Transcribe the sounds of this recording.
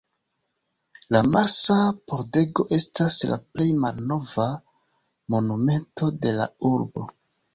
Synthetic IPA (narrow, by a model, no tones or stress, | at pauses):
lamaɾsapoɾde̞ɡo̞ʔe̞stasla̰ple̞jmalno̞va | mo̞nume̞ntʰo̞de̞la̰uɾbo̞̰